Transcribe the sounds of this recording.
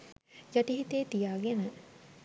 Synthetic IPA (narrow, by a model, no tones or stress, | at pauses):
jaʈiɦit̪eːt̪ijaːɡenə